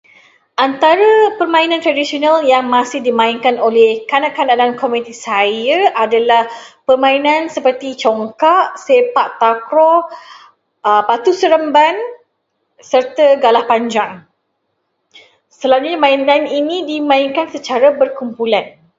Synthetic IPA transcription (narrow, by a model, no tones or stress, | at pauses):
ʔant̪aɾəpərmãinãnt̪ɾadisionaljaŋmãsɪhdimãiŋkanolɛhkanaʔkanaʔdankomũit̪isajaʔadalahpərmãinãnsəpərt̪it͡ʃɔŋkaʔsepaʔt̪akɾɔ | əpat̪usəɾəmban | sərt̪əɡalahpaɲd͡ʒaŋ | səlad͡ʒuɲamãinaninĩdimãinkansət͡ʃaɾabərkumpulan